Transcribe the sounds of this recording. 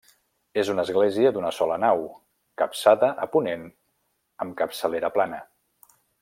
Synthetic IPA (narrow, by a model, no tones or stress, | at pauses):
ezunəzɣleziəd̪unəsɔlənaw | kəpsaðəʔəpunen | əmkəpsəleɾəplanə